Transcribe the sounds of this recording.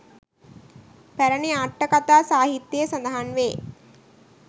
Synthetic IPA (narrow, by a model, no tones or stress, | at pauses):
pæɾəniaʈːɐkat̪aːsaːɦit̪ːjejəsand̪ɐɦanʋeː